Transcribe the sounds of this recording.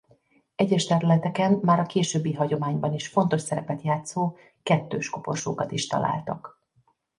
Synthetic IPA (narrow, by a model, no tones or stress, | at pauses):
ɛɟːɛʃt̪ɛɾylɛt̪ɛkɛnːaːɾɒkeːʃøːbːiɦɒɟo̞maːɲbɒniʃfo̞nt̪o̞ʃsɛɾɛpɛt̪jaːt̪soː | kɛt̪ːøːʃkopo̞̰rʃoːkɒt̪iʃt̪ɒ̰lʔa̰ːlt̪ɒ̰k